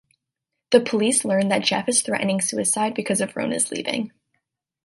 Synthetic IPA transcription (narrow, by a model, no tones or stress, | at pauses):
ðɨpʰəlislɜ̃˞nðɨt̚d̥ʒ̥ɛ̰fɨz̥θɹɛ̰ʔn̩ɪ̃ŋsʉɨsaɪd̚bɨkʰʌzʌvɹõ̰ʊ̃nɨ̰zlḭvɪ̰̃ŋ